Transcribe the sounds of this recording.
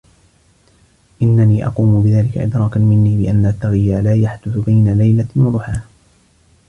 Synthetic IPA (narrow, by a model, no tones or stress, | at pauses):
ʔɪnːaniːʔɑ̰quːmʊbɪðaːlɪka̰ʔɪ̰d̪ɾˤɑːkanmɪnːiːbɪʔanːat̪ːaɣɪjːaːlaːjaħd̪ʊθʊbajnalajlawɑðˤʊħaː